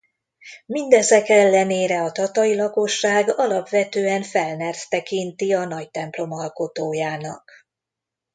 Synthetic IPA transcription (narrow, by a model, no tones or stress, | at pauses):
mind̪ɛzɛkɛlːɛneːɾɛɒt̪ɒt̪ɒjilɒko̞ʃːaːɡɒlɒpʋɛt̪øːɛɱfɛlnɛrt̪t̪ɛkint̪iɒnɒct̪ɛmplo̞mɒlko̞t̪oːjaːnɒ̰k